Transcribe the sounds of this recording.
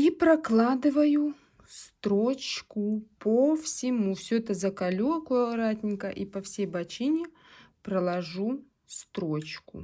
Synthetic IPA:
ipɾɐklˠad̪ɨvəju | st̪ɾot͡ɕkʊpəfsʲɪmufsʲoɛt̪əzɐkɐlʲukojəɾat̪ʲnʲɪkəʔipɐfsʲejbɐt͡ɕinʲɪ | pɾəlˠɐʐu | st̪ɾot͡ɕkʊ̰

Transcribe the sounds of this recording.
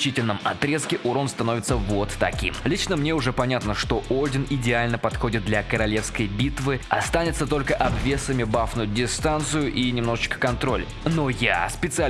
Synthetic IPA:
t͡ɕitʲɪlʲnəmɐ̰t̪ɾʲe̞skʲɪʔʊɾonst̪ɐno̞vʲɪt̪səvot̪ːɐkʲḭmlʲit͡ɕnəmnʲe̞ʊʐɛpɐnʲat̪nəʂt̪o̞ʔolʲdʲɪnɪdʲɪalʲnəpɐt̪xo̞dʲɪt̪̚d̪lʲɐkəɾɐlʲe̞fskəjbʲit̪vɨɐ̰st̪anʲɪt̪sət̪o̞lʲkəʔɐbvʲe̞səmʲɪbafnʊjʊdʲɪst̪ant̪sɨjʊʔinʲɪmno̞ʐɨt͡ɕkə̥kɐnt̪ɾo̞̰lʲ | no̞ja̰spʲɪt̪sɨa

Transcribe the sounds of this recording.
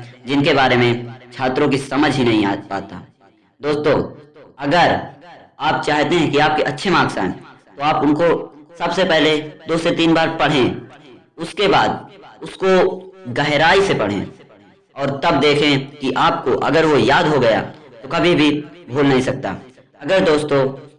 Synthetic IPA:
d͡ʒɪnkebaːɾemẽt͡ʃʰaːt̪ɾõk̬isɐməd͡ʒʱɦinɐɦĩapa̰ːt̪a̰ː | d̪oːst̪õːɐɡəɾ | aːpt͡ʃaːɦt̪eɦɛ̃kiaːp̚keʔɐtːʃʰemaːksã̰ːn | t̪oaːpʊnkosɐbsepɛɦled̪oːset̪iːnbaːɾpɐɽ̤ɦẽ | ʊskebaːd̪ʊskoɡɐɦɾaːisepɐɽ̤ḛ̃ː | ɔːɾt̪ɐbd̪eːkʰẽkiʔaːp̚koʔɐ̰ɡəɾʋojaːd̪ɦoɡɐja̰t̪okɐbʱibʱibʱuːlnɐɦĩsɐk̚t̪a̰ː | ɐɡəɾd̪oːst̪õ

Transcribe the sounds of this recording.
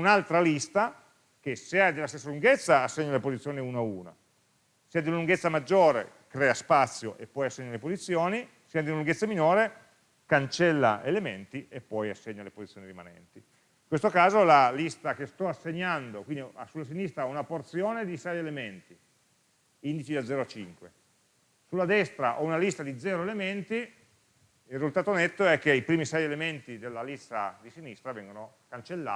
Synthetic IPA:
unalt̪ɾalist̪a | kesːiad̪elast̪esːaluŋɡet̪sːaːsːeɲːalepozit̪sːjoːniuːnauːna̰ | siːad̪iunaluŋɡet̪sːamad͡ʒːoːɾḛ | kɾɛːaspat̪sːjo̰ʔepːɔjasːeɲːalepozit̪sːjoːni | siːad̪inaluŋɡet̪sːaminoːɾe | kant͡ʃɛlːa̰element̪iepːɔjasːeɲːalepozit̪ːjoːnirimanɛ̰nt̪i | ĩŋkwest̪okaːzolalist̪akest̪ɔasːeɲːand̪okwind̪iasulːas̬inist̪ɾaunaport̪sjoːned̪isɛjelement̪i | ind̪it͡ʃid̪ad̪zɛːɾoat͡ʃiŋkwe | sulːad̪ɛst̪ɾaʔounalist̪ad̪id̪zɛːɾoelement̪i | ilrizult̪aːt̪onet̪ːoɛk̟ːeipɾiːmisɛjelement̪id̪elːalist̪ad̪isinist̪ɾavɛŋɡono | kant͡ʃelːa̰ː

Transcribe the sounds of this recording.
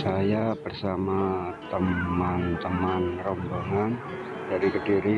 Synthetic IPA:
sajabərsamat̪əmant̪əmanrɔmboŋan | d̥aɾikədiɾi

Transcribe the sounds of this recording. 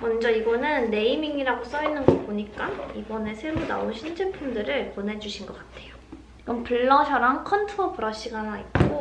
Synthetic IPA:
mʌnd͡ʑʌiɡʌnɯnːe̞imiŋiɾaɡos͈ʌinɯnɡʌk̚poɲik͈aibʌne̞sʰe̞ɾona̰onɕʰind͡ʑʰepʰumdɯɾɯɭponɦe̞d͡ʑuɕʰinɡʌk͈atʰe̞jo | iɡʌnpuɭːʌɕʰʌɾaŋkʰʌntʰɯopuɾʌɕ͈iɡanait̚k͈o

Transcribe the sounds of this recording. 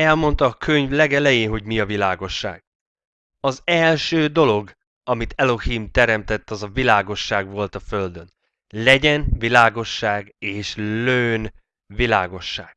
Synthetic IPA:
ɛlmo̞nt̪ɒːkʰøɲvlɛɡɛlɛjeːɦo̞ɟmiɒvilaːɡo̞ʃːa̰ːɡ̥̚ | ɒzɛlʃøːd̪o̞lo̞ɡ | ɒmit̪ɛlo̞himt̪ɛɾɛmt̪ɛt̪ːɒzɒvilaːɡo̞ʃːaːɡʋo̞lt̪ɒføld̪ø̞n | lɛɟɛnvilaːɡo̞ʃːaːɡeːʃløːn | vilaːɡo̞ʃːa̰ːɡ̥

